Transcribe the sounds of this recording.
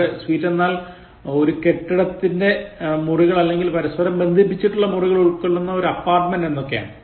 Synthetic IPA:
ɨsʋiːtːe̞nːaːl | o̞ɾuke̞ʈːiɽɐt̪ːinde̞muriɣɐɭɐlːe̞ŋɡilpɐɾɐspɐɾɐmbe̞nd̪ʱip̬ːit͡ɕːiʈːuɭːɐmuriɣɐɭoɭkːeɭːunːɐo̞ɾuɐpːaːrʈmende̞nːo̞kːeja̰ːɳɨ

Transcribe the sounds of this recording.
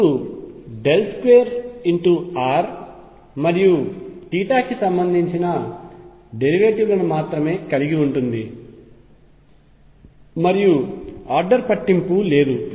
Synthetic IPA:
uɖe̞lskʋeːɾiɳʈuaːɾ | mɐɾijuʈiːʈaːkisɐmbɐnd̪ʱiɲt͡ʃinɐ | ɖe̞ɾiʋeːʈiʋlɐnumaːt̪ɾɐme̞ːkɐliɡiuɳʈund̪i | mɐɾijuaːɾɖɐɾpɐʈːimpule̞ːd̪u

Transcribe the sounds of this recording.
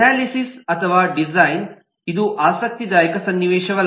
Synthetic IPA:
aːlisisɐt̪ʰɐʋaːɖizajn | id̪uʔaːsɐk̚t̪id̪aːjikɐsɐnːiʋeːʃɐɡɐɭ

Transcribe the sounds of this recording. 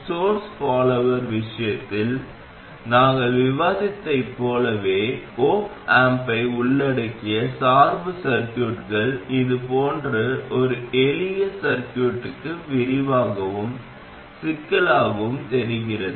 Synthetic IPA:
soːɾsfaːlɐʋɐɾʋɪʂɐjɐt̪ːɪl | naːŋɡɐɭʋɪʋaːðɪt̪ːɐɪpːoːlɐʋeːkoːp | aːmpɐɪʊɭːɐɽɐkːɪjɐsaːɾbɯsɐɾkjuːʈɣɐɭɪðɯpoːndrɐʔɔɾɯɛlɪjɐsɐɾkjuːʈːɯkːɯʋɪɾɪʋaːɣɐʋɯm | sɪkːɐɭaːɣɯmt̪ɛɾɯɣɪrɐðɯ

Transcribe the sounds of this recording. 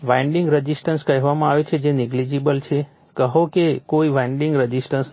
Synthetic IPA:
ʋãɳɖiŋɡɾəd͡ʒisʈənskəɦʋamãaʋet͡ʃʰed͡ʒenɪɡlid͡ʒibəlt͡ʃʰe | kəɦokekoiʋãiɳɖĩŋɡɾəd͡ʒisʈəns

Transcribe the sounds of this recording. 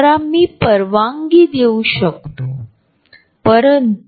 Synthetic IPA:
ɾamːiːpəɾʋaŋɡiːd̪euɕək̚t̪o | pəɾənt̪

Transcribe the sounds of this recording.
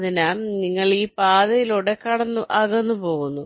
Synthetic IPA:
ðinɐniŋːɐɭiːpaːðɐjiloɽekːɐɽɐnːuʔɐɣɐnːupo̞ːɣunːu

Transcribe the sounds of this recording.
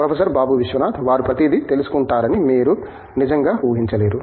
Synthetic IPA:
pɾɐpʰɐsɐɾbaːbuʋiʃʋɐnaːt̪ʰʋaːɾupɾɐt̪id̪it̪e̞lusu̥kuɳʈaːɾɐnimiːɾu | nid͡ʒɐŋɡaːuːɦiɲt͡ʃɐleːɾu

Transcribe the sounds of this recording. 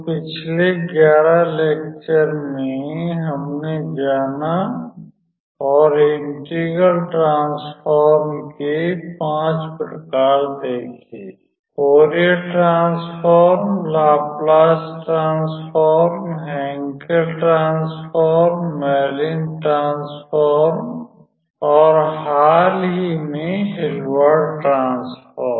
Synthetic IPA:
pɪt͡ʃʰleɡjaːɾaleːkt͡ʃəɾmẽɦəmned͡ʒaːna | ɔːɾɪɳʈiːɡəlʈɾãːnspʰɔːɾmkipãːt͡ʃpəʈkaːɾd̪eːkʰiː | koːɾiəʈɾãːnspʰɔːɾmlaːplaːsʈɾãːnspʰɔːɾmɦɛ̃ːŋkəɾʈɾãːnspʰɔːɾmːɛːlɪnʈɾãːnspʰɔːɾm | ɔːɾɦaːlɦimẽɦɪlwəɾɖʈɾãːnspʰɔːɾm

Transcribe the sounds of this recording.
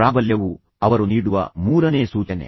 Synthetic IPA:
ɾaːbɐljɐʋu | ɐʋɐɾuniːɽuʋɐ̰muːɾɐneːsuːt͡ʃɐnḛ

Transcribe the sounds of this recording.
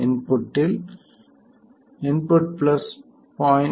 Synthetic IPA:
ɪ̃npʊʈːɪl | ɪ̃npʊʈ̚plɐs | pɔ̃ːɪ̃

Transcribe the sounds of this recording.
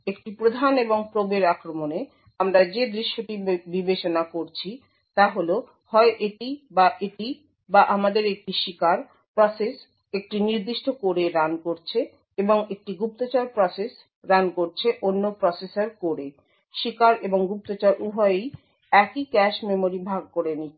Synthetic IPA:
ek̚ʈipɾod̪ʱaneboŋpɾobeɾakɾomone | amɾad͡ʑed̪ɾiʃːoʈibibet͡ɕonakoɾt͡ɕʰi | t̪aɦolo | hɔeʔeʈibaʔeʈi | baʔamad̪eɾek̚ʈiʃikaɾ | pɾɔses | ek̚ʈiniɾd̪iʃʈʰokoɾeɾankoɾt͡ɕʰe | eboŋek̚ʈiɡup̚t̪ot͡ɕaɾpɾɔses | ɾankoɾt͡ɕʰeʔonːopɾɔsesaɾkoɾe | ʃikaɾeboŋɡup̚t̪ot͡ɕaɾʔubʱɔeej | ɛkikɛʃmemoɾibʱaɡ̚koɾeni

